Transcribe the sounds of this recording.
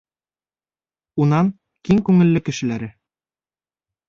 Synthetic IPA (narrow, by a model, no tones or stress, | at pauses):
unɑŋ | kiŋkʉŋɘ̆lːɘkɘ̆ʃɘ̆læɾɘ